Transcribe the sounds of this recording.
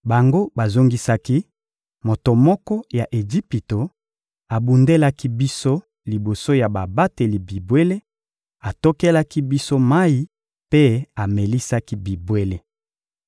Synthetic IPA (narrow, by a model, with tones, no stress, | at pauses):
ba˨ŋɡo˦ba˨zo˦ŋɡi˦sa˦ki˦ | mo˨to˨mɔ˦kɔ˦ja˨ʔe˨d͡ʒi˦pi˨to˨ | a˨bu˨nde˦la˦ki˦bi˦so˦ | li˨bo˨so˦ja˨ba˨ba˦te˨li˨bi˨bwe˦le˦ | a˨to˦ke˦la˦ki˦bi˦so˦ma˦i˦ | pe˦a˨me˨li˦sa˦ki˦bi˨bwe˦le˦